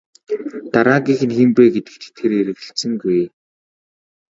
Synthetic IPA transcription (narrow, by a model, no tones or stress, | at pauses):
t̪aɾaːɡiːx̆nximpeːɡet̪ɘ̥̆k̚t̪t̪ʰːeɾeɾɘ̆ɣɘ̆ɬsɘ̆ŋɡuj